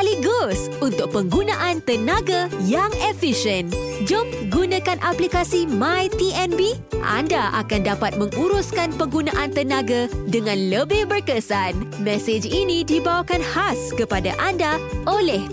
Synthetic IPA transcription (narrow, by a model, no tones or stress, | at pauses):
aliɡos | unt̪ʊk̚pəŋɡunãʔant̪ənãɡajaŋefiʃən | d͡ʒɔmp̚ɡunãkanʔaplikasimãjt̪iɛnbi | ʔa̰ndaʔa̰kandapat̪̚mə̃ŋuɾuskanpəŋɡunãʔant̪ənãɡadəŋãnləbɪhbərkəsanmɛsed͡ʒinĩdibawakanhaskəpadaʔandaʔolɛh